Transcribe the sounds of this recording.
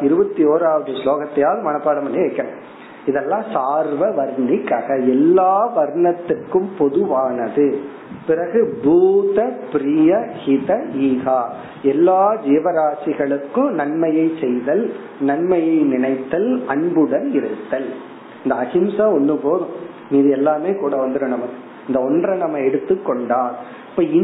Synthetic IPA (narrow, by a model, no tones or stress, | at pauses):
ɪɾɯbɐt̪ːioːɾaːʋɐðɯsloːɣɐt̪ːɐjaːðɯmɐnɐpːaːɽɐmɐnːiʋɐɪkːɐɳɐ | ɪðɛlːãːsaːɾʋɐʋɐɾɳɪkːaːɣɐɛlːaːʋɐɾɳɐt̪ːɯrkɯmpɔðɯʋaːnɐðɯ | pɪɾɐɣɯbuːt̪ɐpɪɾɪjɐhɪðɐiːɣaː | ɛlːaːd͡ʒiːʋɐɾaːsɪɣɐɭɯkːɯ̃nɐɳmɐjɐɪsɛjðɐl | nɐɳmɐjɐɪnɪɳɐɪt̪ːɐlɐɳbɯɽɐnɪɾɯt̪ːɐl | ɪnd̪ɐːɣɪmsaɔnːɯpoːðɯ̃ | miːðɯɛlːaːmeːkuːɽɐʋɐnd̪ɯɾɯnɐmɐkːɯ | ɪnd̪ɐɔndrɐnɐmːɐɛɽɯt̪ːɯkːɔɳɖaːɾ | ɪpːɐːɪ